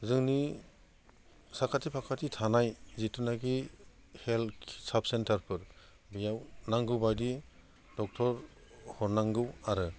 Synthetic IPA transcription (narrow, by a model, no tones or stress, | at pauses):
zɯŋni | sakʰatipʰakʰatitʰanajzitunaɡi | helsap̚sentʰaɾpʰɯɾ | bijawnaŋɡɯwbajdi | d̥ɔk̚tʰɔɾ | hɔɾnaŋɡɯwaɾɯ